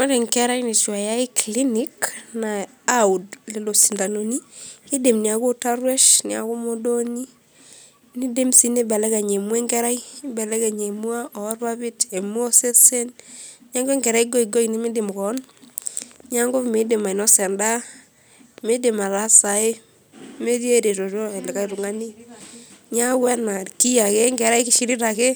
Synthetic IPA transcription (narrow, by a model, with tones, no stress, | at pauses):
mɔ˦ɾe˨ŋkɛ˦ɾa˦ine˨ʃwa˨ja˦e˦kli˦ni˦kna˨ | a˦u˨dle˨lo˨si˨nda˨no˨ni˦ke˦de˨mni˨a˨ko˦ta˦ɾwɛ˦ʃni˨a̰˨ko˦mo˦do˦ni˦ | ni˦de˦msi˦ne˦bɛ˨lɛ˦ka˨ɲe˨mwɛ˦ŋɡɛ˦ɾa˦jbɛ˨lɛ˦ɡa˨ɲe˨mwa˦ɔ˨˦rwa˦βi˦te˨mu˦o˦se˦se˦nɲa˦ŋɡe˦ŋɡɛ˨ɾa˦i˦ɡo˦i˨ɡo˦i˨ni˦mi˦de˨m˨kɔ˨˦n | ɲa˦ŋɡo˦fme˨˦de˨ma˨i˨nɔ˦sɛ˨nda˦ | me˦de˨ma˨la˦sa˨e˦ | me˦ɾje˦ɾe˨ɾo˨ɾɔ˦e˨lɛ˨ka˦ɾu˨ŋa˦ni˦ | ɲa˦wɛ˦na˨ki˦ja˨ke˦ŋɡɛ˨ɾa˦i˦kɪ˦ʃi˦ɾi˦ɾa˨ke˦